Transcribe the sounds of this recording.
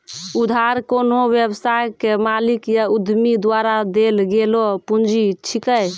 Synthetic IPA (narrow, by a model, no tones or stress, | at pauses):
ud̪ʱaɾkonɦoʋjebsajkemalikjaud̪ʱmid̪waɾad̪elɡelopund͡ʒit͡ʃʰikəj